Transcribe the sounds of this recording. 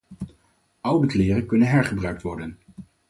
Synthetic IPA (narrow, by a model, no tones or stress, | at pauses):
ʌwdəklɪːrəkɵnənɦɛɹχəbrœɥk̚tʋɔɹdən